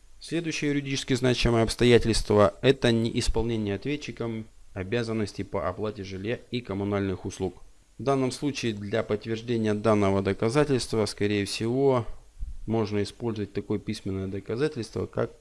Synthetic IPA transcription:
sʲlʲed̪ʊjɕːɪjəjʊɾʲɪdʲit͡ɕɪskʲɪznat͡ɕɪməjəɐpst̪ɐjætʲɪlʲst̪vəɛt̪ənʲɪ̰ʔɪspɐlˠnʲenʲɪjəɐt̪vʲett͡ɕːɪkəmɐbʲazənːəsʲtʲɪpəʔɐplˠatʲɪʐɨlʲjaikəmʊnalʲnɨxʊslˠuk | vd̪anːəmslˠut͡ɕɪːd̪lʲɐpət̪ːvʲɪrʐdʲenʲɪjəd̪anːəvəd̪əkɐzatʲɪlʲst̪vəskɐɾʲejəfsʲɪvo̞ | mo̞ʐnəɪspo̞lʲzəvət̚ʲt̪ɐko̞jəpʲisʲmʲɪnːəjəd̪əkɐzatʲɪlʲst̪və̰ka̰k̚

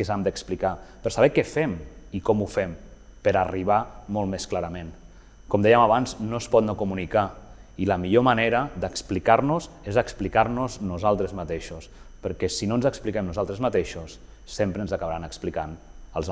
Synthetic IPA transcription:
kəzamd̪əksplikapəɾsaβ̞ɛkɛfɛmikɔmufɛm | pəɾəriβ̞amolˠt̪mesklaɾəmẽn | kɔmd̪ɛjəmaβanznospɔt̪nokumunika | iləmiʎoməneɾəd̪əksplikaɾnuz | ezəksplikaɾnuznuzalˠt̪ɾəzmat̪eʃos | pəɾkɛsinonzəksplikɛmnuzalˠt̪ɾəzmat̪eʃusː | empɾənzəkaβaɾanəksplikanə̰lˠz

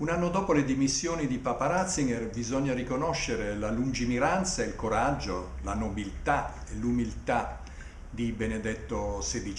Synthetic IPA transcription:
unanːod̪ɔːpoled̪imisːjoːnid̪ipapaɾat̪siŋɡɛrbizɔɲːarikonɔʃːeɾelalund͡ʒimiɾant̪sailkoɾad͡ʒːolanobilt̪a | elumilt̪a | d̪ibened̪ɛt̪ːosed̪it͡ʃ

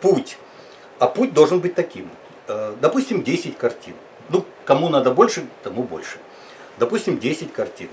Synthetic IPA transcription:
putʲ | ɐputʲd̪olˠʐɨnbɨtʲt̪ɐkʲim | d̪ɐpusʲtʲɪmdʲesʲɪtʲkɐrtʲin | nu | kɐmunad̪əbo̞lʲʂɨt̪ɐmubo̞̰lʲʂɨ̥ | d̪ɐpusʲtʲɪmdʲesʲɪtʲkɐrtʲin

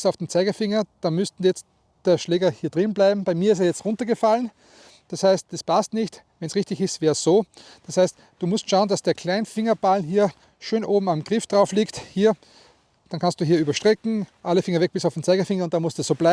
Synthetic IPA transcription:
saʊfd̥ent͡saɪɡɪfɪŋɐd̥aːmʏstn̩jɛt͡st | d̥eːɐʃleːɡɐhiːɐdʁɪnblaɪbm̩b̥aɪmiːɐɪs̬eɐjɛt͡stʁʊ̃ntɐɡəfalən | d̥ashaɪst̚d̥aspʰastnɪçt | vɛnsʁɪçtɪçɪstvɛːɐsz̥oː | d̥ashaɪst | d̥uːmʊstʃaʊənd̥asd̥eːɐkʰl̥aɪnfɪŋɐbalɦiːɐ | ʃøːnʔoːbm̩amɡʁɪfd̥ʁaʊfliːkthiːɐ | d̥ankʰanst̚d̥uːɦiːɐyːbɐʃtʁ̥ɛkŋ̩ʔaləfɪŋɐvɛk̚b̥ɪsaʊfdent͡saɪɡɪfɪŋɐʊntd̥anmʊstɛsoːblɪ

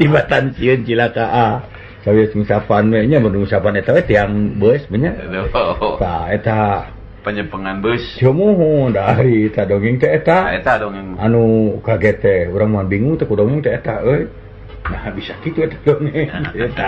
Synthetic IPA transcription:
t̪ibat̪ansiənt͡ʃilakaʔa | sabiasməsapanwɛɲamədumusapanɛt̪awɛt̪eaŋbəsbəɲa | paet̪a | pəɲəpəŋanbəst͡ʃomoɦondaɾit̪adɔŋɛŋt̪ɛet̪aet̪adoŋɛŋanukaɡɛt̪ɛuɾaŋmuanbiŋuŋt̪ɛkudɔŋɪŋt̪ɛːt̪aʔəj | nahbisakit̪uet̪ḁdoŋiŋt̪ɛet̪a

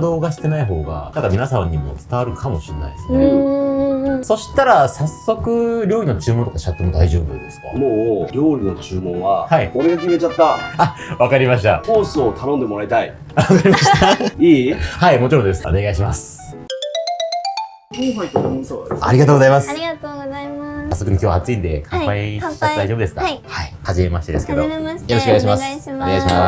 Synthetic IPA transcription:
d̪o̞ːɡaɕi̥t̪e̞naiɦo̞ːɡa̰nãŋkamʲinasãɲ̟ːimo̞̰t͡sɨ̥t̪aβaɾɯ̟kʰamo̞ɕienːa̰id̪esɨne | so̞ɕi̥t̪aɾasasːo̞kɯ̟ɾʲo̞ːɾino̞t͡ɕɨːmo̞nt̪okaɕiat̪ːomo̞d̪aiʑoːbɯ̰d̪e̞sɨ̥ka̰moːɾʲo̞ːɾʲino̞t͡ɕɨːmõ̞ɰ̃βahaioɾeɡakiiet͡ɕat̪ːaaβakaɾʲimaɕi̥t̪a̰hoːsɨot̪ʰanõnd̪e̞mo̞ɾait̪ai | akaɾʲimaɕt̪aaiːhaimot͡ɕiɾod̪esɨo̞̰ne̞ɡaiɕimasɨ̥ | a̰ɾʲiɡat̪oːɡzaimasɨ̥t̪oɡasasːokɯnkʲjo̞ːβat͡sɨĩnd̪e̞kʰãpaii̥at̪od̪aiʑobɯd̪esɨ̥ka̰haihaʑime̞maɕit̪ed̪e̞sɨ̥ke̞d̪o̞jo̞ɾoɕkoeaɕ̬imassone̞aiɕima̰

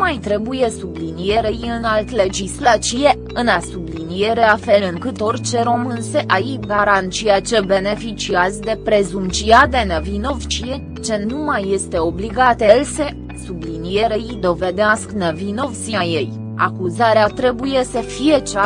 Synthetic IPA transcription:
majt̪ɾe̞buje̞sublinije̞ɾejɨnalt̪le̞d͡ʒislat͡ʃije̞ | ɨnasublinije̞ɾe̞afe̞lɨŋkɨt̪o̞rʲt͡ʃe̞ɾo̞mɨnseʔaiɡaɾant̪t͡ʃiat͡ʃebe̞ne̞fit͡ʃiazʲd̪e̞pɾe̞zumt͡ʃiad̪e̞nəvino̞vt͡ʃie | t͡ʃe̞numajːe̞st̪e̞o̞bliɡat̪else̞ | sublinije̞ɾeid̪o̞ve̞d̪easknəvino̞vsiaje̞j | a̰kuzaɾeat̪ɾe̞buje̞səfije̞t͡ʃa

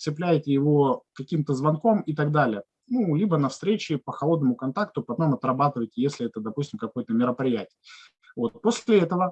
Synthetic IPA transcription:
sɪplʲæjtʲɪjɪvo̞kɐkʲimt̪əzvɐnko̞mɪt̪ɐɡd̪alʲɪjə | nulʲibənɐfst̪ɾʲet͡ɕɪpəxɐlˠo̞d̪nəmʊkɐnt̪akt̪ʊpɐt̪o̞mɐt̪rɐbat̪ɨvəjtʲɪjesʲlʲɪɛt̪əd̪ɐpusʲtʲɪmkɐkojət̪əmʲɪɾəpɾʲɪjætʲɪj | vo̞t̪̚posʲllʲɪɛt̪əvə

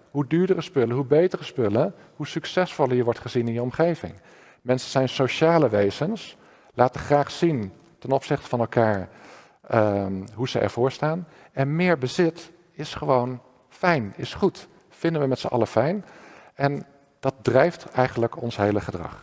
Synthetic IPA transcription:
ɦudyːɹdərəspɵlənɦubejtərəspɵlə | ɦusyksɛsfɔlˠiːɹʋɔɹtχəzinɪnjəɔmχejvɪ̰ŋ | mɛnsəz̥ɛjnsowʃaːləʋejzəns | laːtəχraːχsin | tɛnɔpsɪχtə̥vɑnɛlˠkaːɹ | ɦuz̥əʔɛ̰ɹv̥ʊːɹstaːn | ɛnmɪːɹbəzɪt | ɪsχəʋown | fɛjnɪsχut | fɪndənʋəmɛtsəʔɑ̰ləfɛjnɛn | d̥ɑt̚drɛjftɛjχənləkɔnsɦejləχədrɑ̰χ

